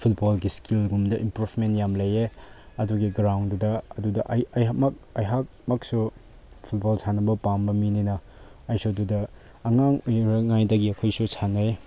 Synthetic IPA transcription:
pʰut̚bolɡiskilɡumdɐʔimpɾupʰmentjamlɐje | ɐduɡiɡɾawndudɐɐdudɐʔɐjɐjamɐk̚ɐjɦak̚mɐk̚su | pʰut̚bolsanɐbɐpambɐmininɐ | ɐjsodudɐː | ŋaŋojɾɐŋajdɐɡiɐkʰojsusʰanɐj

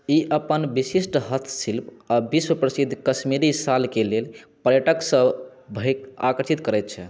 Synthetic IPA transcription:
iʔəpənbisisʈɦət̪ʰsilpabiswəpɾəsid̪ʱːkəsmiɾisalkelelpəɾjəʈəksə̃bʱəka̰kəɾsʰit̪kəɾɛt̪̚t͡ʃʰɛ

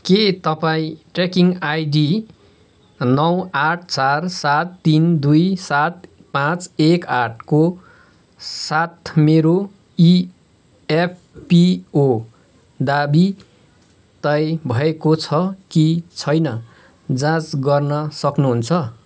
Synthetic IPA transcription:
ket̪ʌpaĩʈrekiŋɡajɖi | nʌwaʈ̚ʰt͡sarsat̪ːind̪ujsat̪ | pãt͡sekaʈʰko | sat̪meɾo | i | epʰpio | d̪abi | t̪ʌjbʱʌekot͡sʰʌkit͡sʰʌjnʌ | d͡zãt͡sɡʌrnʌsʌknuɦunt͡sʰʌ

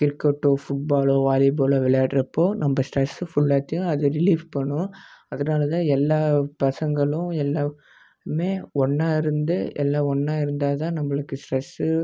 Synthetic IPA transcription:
kɪɾkːɛʈːoːfʊʈ̚baːloːʋaːlɪb̬oːlɐʋɪɭɐjaːʈɪɾɐpːoːnɐmbɐsʈɾɛsɯfʊɭːaːt̪ːɪjʊ̃ɐðɯɾɪliːfpɐɳːʊ̃ɐðɐnaːlɐt̪ãːɛlːaːpɐsɐŋɡɐɭʊ̃ɛlːaː | meːɔɳːaːɪɾɯnd̪ɯɛ̰lːaːɔɳːaːɪɾɯnd̪aːɐt̪ãːnɐmːɐɭɯkːɯsʈɾɛsɯ

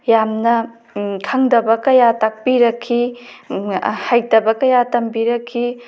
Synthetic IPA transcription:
jamnɐ | kʰɐŋdɐbɐkɐjatak̚piɾɐkʰːi | hajdɐbɐkɐjatɐmbiɾɐkʰːi

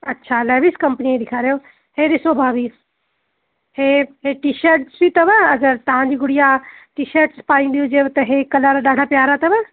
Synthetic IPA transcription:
ɐtːʃʰalɛːʋiskəmpəniẽd̪ɪkʰaːɾejoː | heːɾɪsoːbʱaːʋiːs | heːɦeʈiʃəɾʈsʋiːt̪ɐʋəɐɡəɾt̪ɐãːd͡ʒiːɡʊɽɪjaːʈiːʃəɾʈspaːĩːd̪iod͡ʒeːt̪ɐɦekɐlaːɾaːɗaːɽ̤ʱaːpjaːɾat̪ɐʋɛ

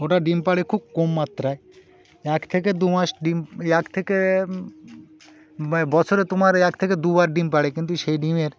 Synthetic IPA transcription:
oʈaɖimpaɽekʰub̚komːat̪ːɾae | ɛkt̪ʰek̬ed̪umaʃɖimɛkt̪ʰeke | bɔt͡ɕʰoɾet̪omaɾɛkt̪ʰeked̪ubaɾɖimpaɽekint̪uʃejɖimeɾ

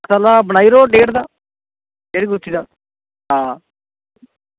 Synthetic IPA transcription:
saːlaːbəñaːiːɾoːɖeːʈd̪aː | keːɾiːkʊtʰːiːd̪aː | ɦãː

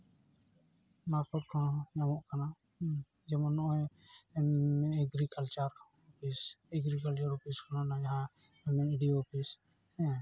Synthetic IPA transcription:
makɔʈ̚kʰanjamɔʔkana | d͡ʒɛmɔnːɔʔɔj | ɛɡɾikalt͡ʃaɾ | ɔpʰisɛɡɾikalt͡ʃaɾɔpiskananajaɦã | ɛmɛniɖioɔpis | hɛ̃

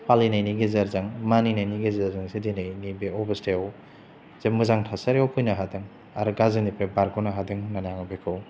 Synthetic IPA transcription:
pʰalinajniɡizɐɾzɐŋmaninajniɡezɐɾzɐŋsidinajnibeɔbɐsteaw | z̥emɯzaŋtʰasɐɾeawpʰujnɐɦadɐŋ | aɾɡazinipʰebaɾɡɔnaɦadɯŋnanaŋbekʰɯw

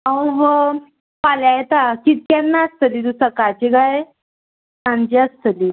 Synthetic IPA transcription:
ãʋə | paljajet̪akit̪̚kʲanːaəst̪əlid̪usəkat͡ɕiɡaje | sãnd͡ʑeəst̪əli

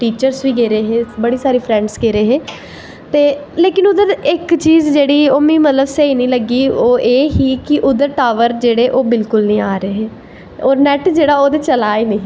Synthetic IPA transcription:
ʈiːt͡ʃəɾsʋiːɡeːɾeːɦeːbəɽiːsaːɾiːpʰɾɛ̃ːɳɖsɡeːɾeːɦeː | t̪eːleːkɪnʊd̪əɾɪkt͡ʃiːzd͡ʒeːɽiːoːmĩːmət̪ləbsəiːnĩːləɡiːoːʔeːɦiːkɪʔʊd̪əɾʈaːʋəɾd͡ʒeːɽeːʔoːbɪlkʊlnĩːaːɾeːɦeː | oːɾnɛːʈd͡ʒeːɽaːoːd̪eːt͡ʃəlaːiːnẽː

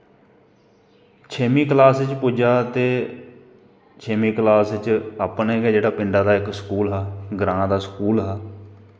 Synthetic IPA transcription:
t͡ʃʰeːmiːklaːsɪt͡ʃpʊd͡ʒaːt̪eː | t͡ʃʰeːmiːklaːsɪt͡ʃaːpneːɡɛːd͡ʒeːɽaːpɪɳɖaːd̪aːɪksə̥kuːlɦaːɡɾãːd̪aːskuːlɦɛː

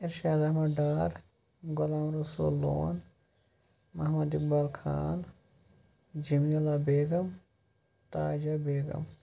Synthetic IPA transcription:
iɾʃaːd̪ɐɦmɐɖaːɾ | ɡolaːmɾosṵlːo̰ːn | mɐɦmɐd̪ik̚baːlkʰa̰ːn | d͡ʒimilaːbeːɡɐm | t̪aːd͡ʒabeːɡɐ̰m

